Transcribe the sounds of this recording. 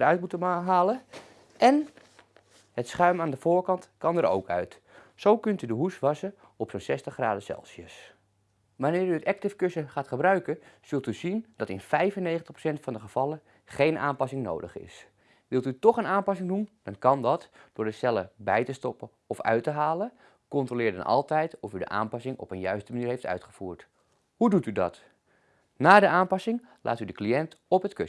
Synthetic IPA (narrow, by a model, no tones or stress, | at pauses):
ərœɥtmutəmɦaːlə | ʔɛn | hətsχœɥmaːndəfoːrkɑntkɑndəɾo̰wkʰœ̰ɥt | sowkɵntydəɦusʋɑsə | ɔpsonsɛstəχra̰ːdəsɛ̰lˠsjəs | ʋanɪːɾyətɛk̚tɪfkøsəχaːtχəbrœɥkəsɵlˠtyzind̥ɑtɪ̰nfɛjfənːejxəntəχprosɛntfɑndəχəv̥ɑlˠə | χejnʔa̰ːmpɑsɪŋno̰wdəχɪ̰s | ʋɪlˠtytɔχənaːmpɑsɪŋdund̥ɑnkɑndɑtd̥ʊːɹdəsɛləbɛjtəstɔpə | ɔfœ̰ɥtəɦaːlə | kɔntroːlɪːrdə̰nʔɑ̰lˠtɛjtɔfydə̰ʔa̰ːmpɑsɪŋɔ̰pənjœɥstəmaniːrɦejftœ̰ɥtχəfuːɹt | hudutydɑ̰t | naːdəʔaːmpɑsɪŋ | lʔa̰ːtydəkliɛntɔpɦətkø